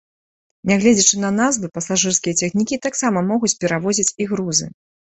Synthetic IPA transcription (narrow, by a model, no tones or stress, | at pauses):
nʲaɣlʲɛd͡zʲɛt͡ʂɨnɐnazvɨpɐsaʐɨrskʲijɐt͡sʲɛxnʲikʲit̪aksamɐmɔɣut͡sʲpʲɛɾavɔzʲit͡sʲiɣɾuzɨ̰